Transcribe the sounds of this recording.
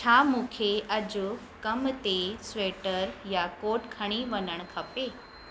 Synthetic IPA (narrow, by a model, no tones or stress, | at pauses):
t͡ɕʰaːmũːkʰeʔɐd͡ʑʊ | kɐmt̪esʋeːʈəɾjakoːʈkʰɐɽ̃iʋɐnəɽ̃kʰɐpeː